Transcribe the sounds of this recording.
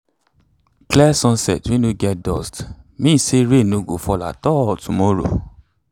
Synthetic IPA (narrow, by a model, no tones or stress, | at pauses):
klɛsɔ̃nsɛ̰twĩnũɡɛtdɔ̰stmĩseɾenõɡofɔla̰tɔtumɔɾo̰